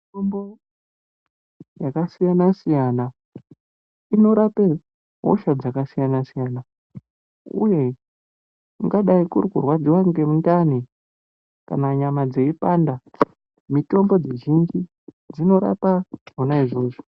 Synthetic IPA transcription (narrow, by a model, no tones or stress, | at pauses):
mitombo | jakasijanasijana | ino̞ɾape | ɦo̰ʃad͡zakasijanasijaːna | ṵje̞ | uŋɡaɗaikurkurwad͡ziwaŋɡe̞mundane | ka̰naɲamad͡ze̞ipanda | mito̞mbo̞d͡zeʒind͡ʒi | d͡zino̞ɾa̰paonaiʐo̞ːʐo